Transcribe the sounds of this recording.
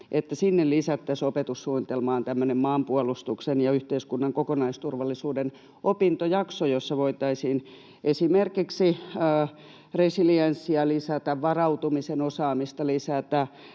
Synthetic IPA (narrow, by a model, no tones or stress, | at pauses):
ʔet̪ːæsinːellisæt̪ːæsopet̪ussuonit̪elmɑːnt̪æmːønemmɑːmpuɑlust̪uksenjɑyht̪eiskunːɑŋkokonɑist̪urʋɑlːˑisuːden | ʔopint̪ojɑksojosːɑʋoit̪ɑisiːn | ʔesimerkiksiəː | resiliensːiɑlisæt̪æʋʋɑrɑut̪umisenosɑːmist̪ɑlisæt̪æ